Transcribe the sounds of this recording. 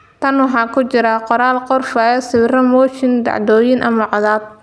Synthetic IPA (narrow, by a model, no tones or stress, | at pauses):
t̪ʰɐnwɑħɑːkʰʊt͡ʃɪɾɐqɔɾaːlqɔrfɐɛsɪβrɐmɔːt͡ʃɪnd̪ɑ̰ʕd̪ɔːjɪnʔɐ̰mɐʕɑðaːd̪̚